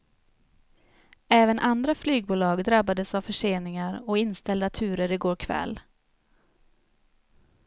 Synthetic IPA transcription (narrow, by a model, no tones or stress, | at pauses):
ɛːvənʔand̪ɾaflyːɡ̚buːlɑːɡd̪ɾabad̪əsavfœʂeːnɪŋaɾɔɪnst̪ɛld̪at̪ʰʉ̟ːɾəɾɪɡoːɾkʰvɛ̰l